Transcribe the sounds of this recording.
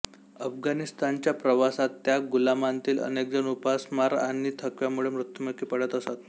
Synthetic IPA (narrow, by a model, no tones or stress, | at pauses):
əfɡanist̪ant͡ɕjapɾəʋasat̪ːjaɡulamant̪iːlə̰nek̚d͡zənupasmaɾa̰ñit̪ʰəkʋjamuɭemɾut̪jəməkiːpəɽət̪əsat̪